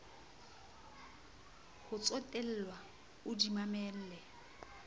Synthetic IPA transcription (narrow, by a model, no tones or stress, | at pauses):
hʊt͡sʼɔtʼɛl̩lwa | ʊdimamɛl̩ːlɛ